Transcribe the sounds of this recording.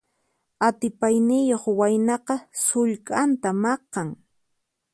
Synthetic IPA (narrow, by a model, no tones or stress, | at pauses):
at̪ɪpajnɪjoχwajnɑqɑsʊʎkʼant̪amɑqːɑŋ